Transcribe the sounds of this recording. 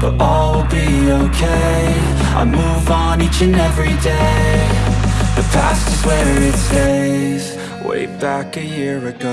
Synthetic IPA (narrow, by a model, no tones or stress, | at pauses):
b̥ʌɾʔɔ | llˠbi | oʊkʰeɪɪɪ | a̰ɪmuvn̩it͡ʃɨ̃nɛvɹideɪ | ðɨpʰæ̰stɨzwɛɪtseɪz̥ | wʔḛɪb̥ækɨjɪɹɨɡo